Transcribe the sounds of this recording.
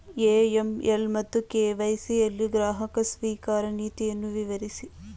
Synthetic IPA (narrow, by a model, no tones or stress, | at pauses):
eːemʔelmɐt̪ːukeːʋɐjsielːiɡɾaːɦɐkɐsʋiːkaːɾɐniːt̪ijɐnːuʋiʋɐɾisi